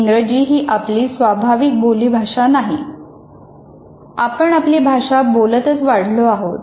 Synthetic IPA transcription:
ŋɡɾəd͡ʑiːɦiːʔapliːsʋabʱaʋik̚boliːbʱaʂanaɦi | apəɳapliːbʱaʂabolət̪ət͡sʋaɽ̤loaɦot̪̚

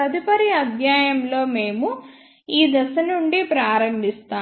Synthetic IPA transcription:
ɐd̪ipɐɾiɐd̪ʱjaːjɐmlo̞ːme̞ːmu | iːd̪ɐsɐnuɳɖipɾaːɾɐmbʱist̪aː

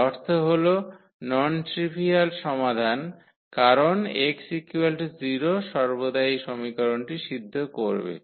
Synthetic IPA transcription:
ɔɾt̪ʰoɦolo | nɔnʈɾibʱialʃɔmad̪ʱan | kaɾoneksikuelʈd͡ʑiɾoʃɔɾbod̪aiʃɔmikaɾonʈiʃid̪ʱːokoɾbḛ

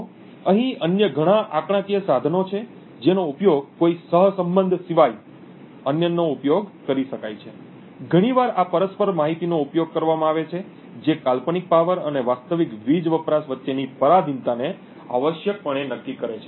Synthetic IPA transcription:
əɦĩənjəɡʱəɽ̃ãʔakɽ̃ãkijəsad̪ʱənot͡ʃʰe | d͡ʒenoupjoɡ̚koisəɦsəmbənd̪ʱsiʋaj | ənjənoupjoɡkəɾiʃəkajt͡ʃʰe | ɡʱəɽ̃iʋaɾapəɾəspəɾmaɦit̪inoupjoɡ̚kəɾʋamãaʋet͡ʃʰe | d͡ʒekalpənik̚paʋəɾə̰neʋast̪əʋikʋid͡ʒʋəpɾasʋətːʃenipəɾad̪ʱint̪ane | a̰ʋəʃjək̚pəɳ̃enəkːikəɾet͡ʃʰe

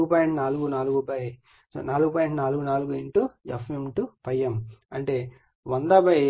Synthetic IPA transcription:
ɡupaːjiɳʈunaːluɡunaːluɡupɐj | so̰naːluɡupaːjiɳʈunaːluɡunaːluɡueɳʈujɐ̰fmimʈupɐjːɐmɐɳʈe̞ː | ʋɐnd̪ɐːpɐj

